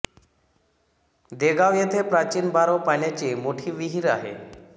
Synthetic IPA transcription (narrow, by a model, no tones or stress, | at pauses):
d̪eɡaʋjet̪ʰepɾat͡ɕiːnbaɾopanjat͡ɕimoʈʰiːʋiɦiɾa̰ɦḛ